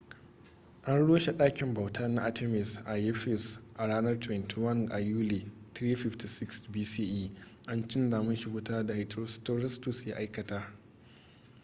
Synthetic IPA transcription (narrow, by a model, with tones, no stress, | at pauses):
ʔa˦nɽoː˦ʃe˨ɗaː˦kʲɪ˨mba˨wtʰa˦na˦ʔa˦te˦mɪ˨sʔa˨jɛ˦ɸɪ˦˨sʔa˨ɽaː˦nɐ˦rtwɛ˨ntʰi˨wɐ˦˨nʔa˨juː˦le˨ | t̪ɾiː˦ɸɪ˦fti˨sɪ˦ksbiː˦siː˦ʔiː˦ʔa˦nt͡ʃɪ˦ndaː˨mʊ˦nʃɪ˦ɡʷʊ˦taː˦da˨hɪ˨tɾo˦sto˦ɾɛ˦stʊ˨sjaː˦ʔa˦jkɐ˨ta˦